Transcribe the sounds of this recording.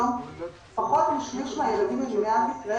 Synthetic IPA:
on | paχo̞t̪miʃliʃmajelad̪imeɡniat̪isʁa

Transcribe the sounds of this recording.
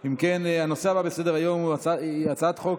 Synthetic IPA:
imkenano̞se̞ababese̞d̪eʁajo̞muat͡saat͡sat̪χo̞k

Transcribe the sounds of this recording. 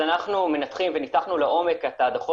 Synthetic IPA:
anaχnume̞nat̪χimvenitaχnuleʔo̞me̞kat̪aːd̪aχo

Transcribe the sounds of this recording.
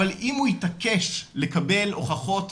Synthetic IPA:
alʔimhujitakeʃlekabelo̰χaχo̞t̪

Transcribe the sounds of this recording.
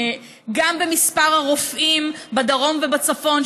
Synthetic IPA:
ɡambemispaʁhaʁofʔimbad̪aʁo̞mvebat͡safo̞n

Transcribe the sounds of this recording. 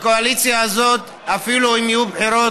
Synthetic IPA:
koalit͡sjaazo̞t̪ | afiluimijubħeɾo

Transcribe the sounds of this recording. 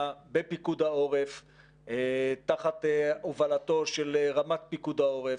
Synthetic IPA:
bepikud̪ao̞ʁef | t̪aχat̪eovalat̪o̞ʃelʁamat̪̚pikud̪ao̞ʁe

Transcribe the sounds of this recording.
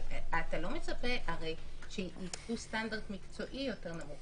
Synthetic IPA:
atalo̞me̞t͡sape̞haʁejʃeitustandaʁdmikt͡so̞ʔijo̞te̞ʁnamuχ

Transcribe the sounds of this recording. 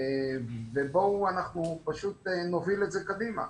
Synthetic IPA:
vebo̞anaχnupaʃut̪̚eno̞vile̞tzekad̪ima̰

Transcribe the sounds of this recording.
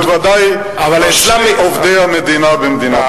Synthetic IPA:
t̪vad̪aj | aslamiʔovd̪eamed̪inabemd̪ina

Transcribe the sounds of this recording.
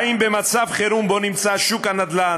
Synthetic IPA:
imbemat͡savχeɾumbo̞nimt͡saʃukanad̪la

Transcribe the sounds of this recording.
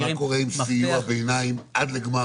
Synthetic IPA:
akoʁeimsijuabejnaimʔad̪leɡma

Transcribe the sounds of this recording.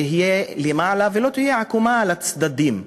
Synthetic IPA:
iɦijelemaːlavelo̞t̪ihijeʕakumalat͡sd̪ad̪im

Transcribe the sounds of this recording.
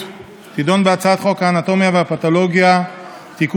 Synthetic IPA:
t̪id̪o̞nbeat͡saat̪χo̞kaːnat̪o̞mjaveapat̪olo̞ɡja | t̪ik

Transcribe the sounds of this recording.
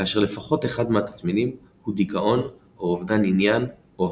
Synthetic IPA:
kaːʃe̞ʁle̞faχo̞teχad̪meat̪asminim | hudikaʔo̞n | oovd̪aninjan | o

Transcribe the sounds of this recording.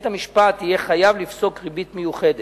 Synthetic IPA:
thamiʃpat̪ije̞χajavlifso̞kʁibitmejuχe̞de

